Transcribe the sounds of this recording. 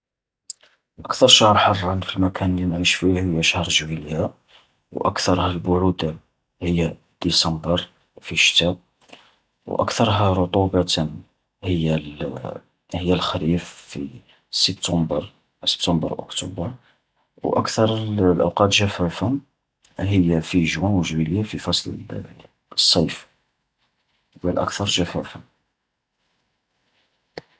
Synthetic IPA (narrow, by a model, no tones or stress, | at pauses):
ʔəkt̪ɑɾˤʃɑhɾˤħɑrˤːɑnfilmækʰænlinʕiʃfihəjːæʃhɾˤʒwiljæ | wʔə̰kt̪ɑɾˤhælbʊʕud̪a | həjːæ | d̪̥isɑmbəɾ | fiʃt̪æb̚ | wʔə̰kt̪ɑɾˤɦæɾˤʊt̪ˤubɑt̪ən | həjːæl | həjːælxæɾiffi | səb̚t̪ɑmbəɾ | sə̥bt̪ɑmbə̰ɾˤʔʊ̰kt̪ubəɾ | wʔə̰kt̪ɑɾˤlʔə̰wqɑt̪ʒæfæfæ | ɦəjːæfiʒwænwəʒwiljafifɑsˤlə̰ | sˤːɑjf | wəlʔə̰kt̪ɑɾˤʒæfæfæ